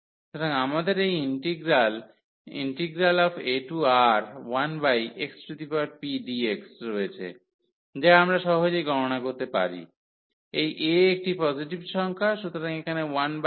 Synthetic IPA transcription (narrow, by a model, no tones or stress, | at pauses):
ʃut̪ʰoɾaŋamad̪eɾejinʈiɡɾal | ḭnʈiɡɾalɔbeʈuaɾwanbajʔeksɾut̪ipaɾpiɖieksɾojet͡ɕʰḛ | d͡ʑaamɾaʃɔɦod͡ʑejɡʱɔɾonakoɾt̪epa̰ɾḭ | ejʔeek̚ʈipɔziʈibʃɔŋkʰaʃut̪oɾaŋekʰanewanb